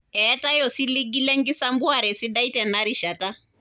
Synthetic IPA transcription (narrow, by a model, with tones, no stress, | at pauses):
ɛ˦ta˦jɔ˨si˦li˦ɡi˦lɛ˦ŋɡi˦sa˦mbu˦a˨ɾɛ˨si˦ɗa˦i˦tɛ˨na˦ɾi˦ʃa˨ta˦